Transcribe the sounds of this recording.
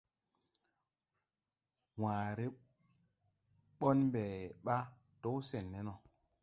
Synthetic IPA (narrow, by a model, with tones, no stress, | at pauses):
waː˨ɾe˦ | ɓo˦nmbɛ˨ɓa˦ | to˦wse˨nːe˦no˨